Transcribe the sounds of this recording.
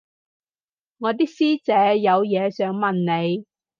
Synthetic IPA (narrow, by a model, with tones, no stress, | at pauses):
ŋɔː˨˧t̪̬iː˥k̚siː˥t͡sɛː˨˥jɐ˨˧wjɛː˨˧sœː˨˥ŋmɐ˨nne˨˧j